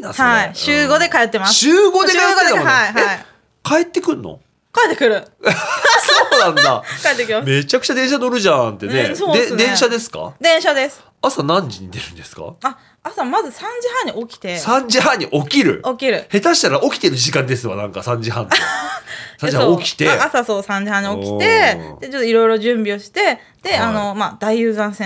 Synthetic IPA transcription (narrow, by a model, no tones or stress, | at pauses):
naaiɕɨːɡo̞d̪e̞kaet̪ːemasɕɨːɡo̞d̪ekaɡ̪moaihe | kae̞t̪ːekɯ̟̃nːo̰ | kaet̪ːekɯ̟ɾɯ̟ | soːnãnːakaet̪ːekʲimame̞t͡ɕakɯ̟t͡ɕad̪ẽ̞ɕ̬ano̞ɾɯ̟ʑãnt̪e̞ne̞sõd̪ẽ̞ɰ̃ɕad̪e̞sɨ̥ka̰d̪ẽ̞ɰ̃ɕad̪e̞sɨ̥ | asanãɲd͡ʑiɲ̟id̪e̞ɾɯ̟̃nd̪e̞sɨ̥ka̰a | asamazɨsãɲ̟d͡ʑihãɲ̟ːio̞kʲi̥t̪e̞sãɲ̟d͡ʑiɦãɲ̟ːiʔo̞kʲiɾɯ̟̰okʲiɾɯ̟he̞t̪aɕi̥t̪aɾaʔo̞kʲi̥t̪e̞ɾɯ̟ʑikãnd̪e̞sɨβa̰nãŋkasãɲ̟d͡ʑiɦã̰n | sãɲd͡ʑihaãokʲi̥t̪e̞asasoːsãɲ̟d͡ʑihãɲ̟io̞kʲi̥t̪e̞d̪̥e̞t͡ɕo̞t̪ːoiɾo̞iɾo̞ʑɨ̃mbʲio̞ɕi̥t̪e̞ | d̪̥e̞ano̞mad̪aiɯːzãɰ̃sẽ